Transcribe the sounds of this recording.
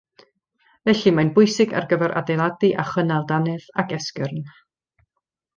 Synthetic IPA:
vɛɬimajnbʊjsɪɡa̰rɡəvɛɾʔa̰dejlˠadɨʔaχənalˠdanɛðakʰɛskərn

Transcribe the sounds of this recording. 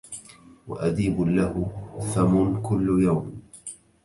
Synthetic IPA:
wa̰ʔad̪iːbʊlahʊθamʊnkʊlːjawm

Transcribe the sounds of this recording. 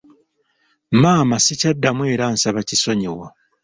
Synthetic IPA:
maːmasicadːamwe̞ːɾaːnsaβaciso̞ɲewa

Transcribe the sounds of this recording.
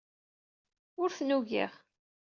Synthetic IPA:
ʊɾθnuʝḭʁ

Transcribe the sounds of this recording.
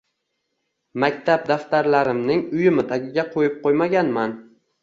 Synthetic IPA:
makʲt̪ʰab̚d̪aft̪aɾlaɾɪmnɪŋʊjɪmɪt̪ʰaɡʲɪɡʲaqʰojɪp̚qʰojmaɡʲanman

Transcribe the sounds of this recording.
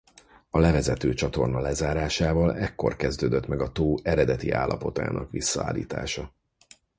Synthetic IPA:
ɒlɛvɛzɛt̪øːt͡ʃɒt̪o̞rnɒlɛzaːɾaːʃaːvɒlɛkːo̞̰rkɛzd̪øːd̪øt̪mɛɡɒt̪oːɛɾɛd̪ɛt̪ia̰ːlːʔɒ̰po̞t̪a̰ːnʔɒkʋisːɒa̰ːlːḭːt̪a̰ːʃɒ

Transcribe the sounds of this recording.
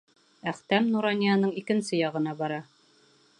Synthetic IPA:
æχt̪æmnuɾɑnʲijɑnɤɴikɘ̆nsɘjɑʁɤ̆nɑbɑɾɑ

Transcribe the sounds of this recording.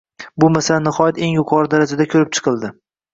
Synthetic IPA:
bʊmasalanːɪχɒjat̪e̞ŋjʊqʰɒɾɪd̪aɾad͡ʒad̪akʲʰɵɾɪp̚t͡ʃʰɨ̥qʰɨlˠd̪ɪ

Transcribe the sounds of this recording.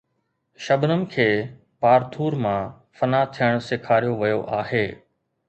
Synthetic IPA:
ʃɐbnəmɪ̆kʰeː | paːɾt̪ʰuːɾmã | fɐnat̪ʰijəɽ̃sɪkʰaːɾijoʋɐjoʔaːɦeː

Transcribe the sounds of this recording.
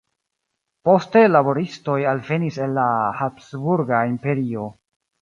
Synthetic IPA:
po̞ste̞labo̞ɾisto̞jalve̞nise̞nːahapsbuɾɡaimpe̞ɾio̞

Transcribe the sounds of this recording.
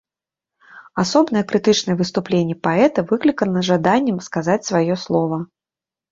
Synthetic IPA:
asɔbnɐjɛkɾɨt̪ɨt͡ʂnɐjɛvɨst̪uplʲenʲːɛpaɛt̪ɐvɨklʲikənɐʐad̪anʲːɛmskazat͡sʲsvajɔslˠɔvɐ

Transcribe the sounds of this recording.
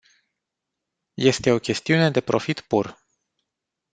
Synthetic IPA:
je̞st̪e̞o̞kʲe̞st̪iune̞d̪e̞pɾo̞fit̪pur

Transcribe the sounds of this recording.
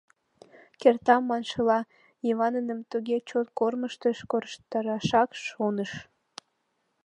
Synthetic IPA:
kert̪ɑmːɑnʃəlɑ | iβɑnənəmt̪uɣet͡ɕot̪korməʃt̪əʃkoɾʃt̪əɾɑʃɑkʃonəʃ

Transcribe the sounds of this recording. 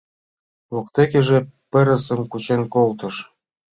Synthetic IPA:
lokt̪ekĕʒĕpɘ̆ɾə̆sə̆mkut͡ɕenkolt̪ɤ̆ʃ

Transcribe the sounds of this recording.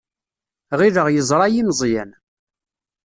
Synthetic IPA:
ʁiðəʁjəzˤɾˤɑjinzˤjæn

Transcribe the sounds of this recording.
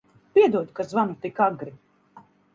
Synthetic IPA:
pʲiɛd̪uɔd̪kazvamut̪ikaɡɾi

